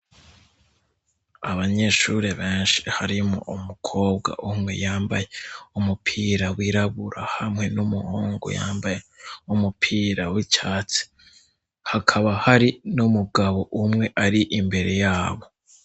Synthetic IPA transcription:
aβaɲe̞ʃuɾeβeːnʃi̥haɾimo̰ʔumukʰo̞ːbɡa̰ʔumŋe̞jaːmba̰jeumupʰiːɾawiɾaβuɾahamŋe̞numuhoːŋɡo̰ja̰ːmbajeumupʰiːɾawit͡ʃaːt͡si̥ | hakʰaβahaɾinumuɡaβo̞ʔumŋe̞ʔaɾiʔimbe̞ɾe̞jaːβo

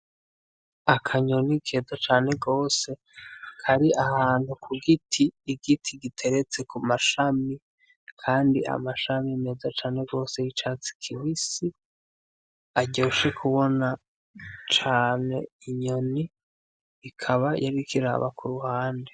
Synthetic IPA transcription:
akʰaɲo̞nikʰe̞ːzat͡ʃaːne̞ɡo̞ːse̞ | kʰaɾiʔahaːnhukʰuɡitʰiːɡ̥itʰiɡitʰe̞ɾe̞t͡se̞kumaʃami | kʰaːndiʔa̰maʃamime̞ːzat͡ʃaːne̞ɡo̞ːse̞jit͡ʃat͡si̥kʰiwisi | aɟo̞ːʃe̞kʰuβo̞na | t͡ʃaːne̞̰iɲo̞ni | ikʰaβajaɾikiɾa̰βa̰kuɾuhaːnde

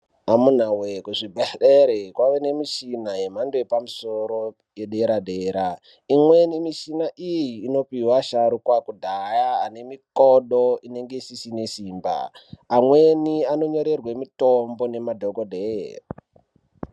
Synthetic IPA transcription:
amun̤awekuʐibʱeɗeɾekwaʋene̞miʃinaɦemandoepamuso̞ɾo̞ | jeɗe̞ɾadʱeːɾa | imwe̞nimiʃinaʔijiːno̞piwaʃaɾukwakudʱajaane̞mikoɗoine̞ŋɡesisinesiːmba̰ːmweniano̞ɲo̞ɾe̞rwemitombo̞ne̞madʱoɡodʱer

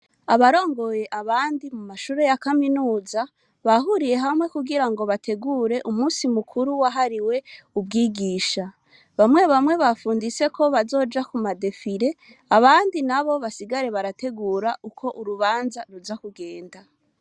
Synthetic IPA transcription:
aβaɾo̞ːŋɡo̞je̞ʔaβaːndimumaʃuːɾe̞jakaminuːza | βaɦuɾije̞ɦamŋwe̞kuɡiɾaŋɡo̞βatʰe̞ɡuɾe̞ʔumuːsimukʰuɾuwaɦaɾiwe̞ub̚ɡiːɡiːʃa | βamŋe̞βamŋe̞βafuːndise̞kʰo̞βazo̞ːd͡ʒakumade̞fiɾe̞ | aβaːndinaβo̞βasiɡaɾe̞βaɾate̞ɡuːɾaʔukʰo̞ʔuɾuβaːnzaɾuzakuɡe̞ːnda

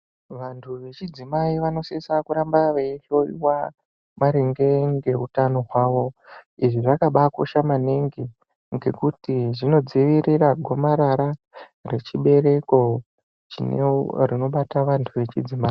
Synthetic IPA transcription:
ʋantʰuʋe̞t͡ʃid͡zimaiʋano̞sesakuɾambaʋeiɬoḭwa | maɾeŋɡe̞ŋɡe̞utano̞ɦwaːʋo̞iʐiʐakaɓako̰ʃamaneŋɡi | ŋɡe̞kutiʐino̞d͡ziʋiɾiraɡʱo̞maɾaɾa | re̞t͡ʃiɓe̞ɾe̞ko̞ | t͡ʃḭnḛrino̞ɓataʋantʰuʋe̞t͡ʃid͡zimaːi

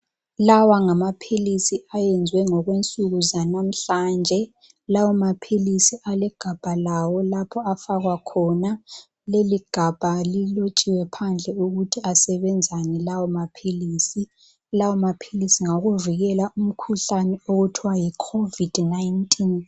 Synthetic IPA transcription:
lawaŋamapʰilisiajɛnd͡zʱwɛŋɔɣwent͡sʼuɣuzanam̩ɬand͡ʒʱɛ | lawɔmapʰilisiʔalɛɡ̥ʱab̥ʱalawɔlapʰɔafaɣwakʰɔna | leliɡ̥ʱab̥ʱalilot͡ʃʼiwɛpʰand͡ɮʱɛuɣutʰiasɛβɛnd͡zʱanɛlawɔmapʰiliːsi | lawɔmapʰilisiŋaɣuviɣɛlaum̩kʰuɬanɛoɣutʰiwajikʰovid̥naintʼin

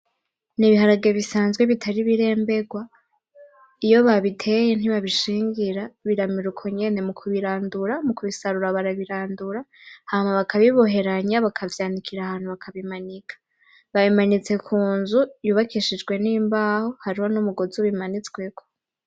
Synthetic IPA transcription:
niβiɦaɾaɡeβisaːnzɡwe̞βitʰaɾiβiɾe̞ːmbe̞ɡwa | ijo̞βaβitʰe̞jen̥iβaβiʃiːŋɡiɾaβiɾamiɾukʰo̞ɲe̞ne̞mukʰuβiɾaːnduɾamukuβisaɾuɾaβaɾaβiɾaːnduɾahamaβakʰaβiβo̞ɦe̞ɾaɲaβakʰavjaːnikʰiɾahaːn̥huβakʰaβimanikʰḁ | βaβimanit͡se̞kʰuːnzujuβakʰiʃid͡ʒɡwe̞niːmbaho̞haɾiho̞numuɡo̞zuβimanit͡sɡwe̞kʰo̞

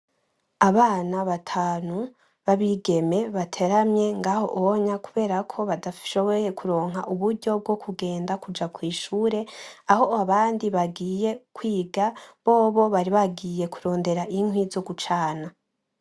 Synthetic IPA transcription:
aβaːnaβatʰaːnu | βaβiːɡe̞me̞βatʰe̞ɾamɲe̞ŋɡaːho̞̰ʔowoɲakuβe̞ːɾakʰo̞βadafʃo̞βoje̞kuɾo̞ːŋɦaʔuβuɾɟo̞b̚ɡo̞kʰuɡe̞ːndakud͡ʒakwiːʃuːɾe̞aho̞aβaːndiβaɡiːje̞kwiːɡaβo̞ːβoβaɾiβaɡiːje̞kuɾo̞ːnde̞ɾaʔiŋwizo̞ɡut͡ʃaːna

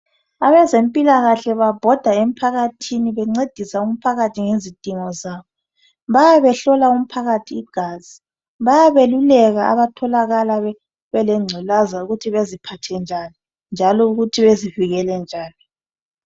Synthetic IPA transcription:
aβɛzempʼilaɣaɬɛβab̥ʱɔd̥ʱaem̩pʰaɣatʰiniβɛŋ͡ǀed̥ʱisaum̩pʰaɣatʰiŋezid̥ʱiŋɔzaːβɔ | βajaβɛɬɔlaum̩pʰaɣatʰiːɡ̥ʱaːzi | βajaβelulɛɣaa̰βatʰɔlaɣalaɛ | βɛlɛŋ͡ǀʱɛlazauɣutʰiβezipʰatʰɛnd͡ʒʱani | nd͡ʒʱalɔuɣutʰiβeziviɣɛlɛnd͡ʒʱaːni

